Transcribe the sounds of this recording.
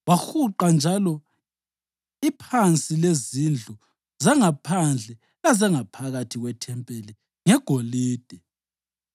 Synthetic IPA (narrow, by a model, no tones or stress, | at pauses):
waxuǃand͡ʒʱalɔ | ipʰant͡sʼilezind͡ɮʱu | zaŋapʰand͡ɮʱɛ | lazaŋapʰaɣatʰiɣwɛtʰɛmpʼeli | ŋɛɡ̥ʱoliːd̥ʱɛ